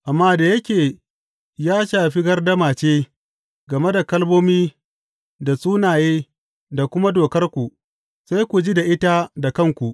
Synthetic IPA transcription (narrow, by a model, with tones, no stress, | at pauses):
ʔa˨mːaː˦da˨jɐ˦kʲeː˨ | jaː˦ʃaː˨ɸi˦ɡɐ˦rdɐ˦maː˨t͡ʃeː˦ | ɡɐ˨me˦da˨kɐ˦lboː˦miː˦ | da˨sʼuː˦naː˨jeː˦ | da˨kʷʊ˦ma˦doː˨kɐ˦rkʷu˨ | sa˦jkʷu˨d͡ʒi˦da˨ʔɪ˦ta˦da˨kɐ˦˨ŋkʷu˨ʔ